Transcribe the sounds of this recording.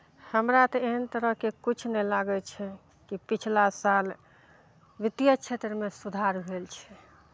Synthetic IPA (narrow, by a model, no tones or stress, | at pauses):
həmɾat̪ɔeɦənt̪əɾəɦkekit͡ʃʰnɛlaɡɛt͡ʃʰɛ | kipit͡ʃʰlasal | ʋit̪ijət͡ʃʰet̪ɾəmesud̪ʱaɾɦelt͡ʃʰɛ̥